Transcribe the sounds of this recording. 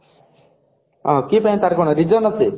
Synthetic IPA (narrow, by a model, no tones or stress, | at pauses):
ɔ̃kipaĩt̪aɾkɔɽ̃ɔɾid͡ʒɔnɔtʰi